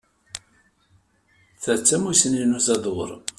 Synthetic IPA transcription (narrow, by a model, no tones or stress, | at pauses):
θæt͡sːæmusəninuzɑðˤwə̰ɾˤ